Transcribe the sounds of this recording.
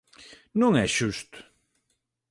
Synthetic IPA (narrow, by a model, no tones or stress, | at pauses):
nũŋɛʃust̪ʊ̥